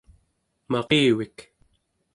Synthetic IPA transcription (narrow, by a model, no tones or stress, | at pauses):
mɑʁeːwik